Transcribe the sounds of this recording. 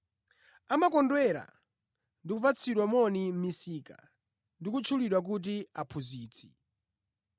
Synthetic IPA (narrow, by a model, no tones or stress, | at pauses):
amakɔndwɛɾa̰ | ndikupat͡sʰiɗwamɔnim̩misiːka̰ | ndikut͡ʃʰuliɗwak̬ut̬iapʰuziːt͡sʰi̥